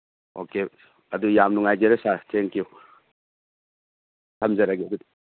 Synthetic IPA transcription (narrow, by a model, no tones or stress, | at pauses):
o̰ke | ɐdujamnuŋajɡeɾɐsatʰeŋkiu | tʰɐmzɐɾaɡedud